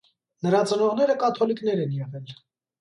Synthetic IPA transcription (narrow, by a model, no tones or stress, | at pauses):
nəɾɑt͡sənɔʁnɛɾəkɑt̪ʰɔliknɛɾɛnjɛʁɛl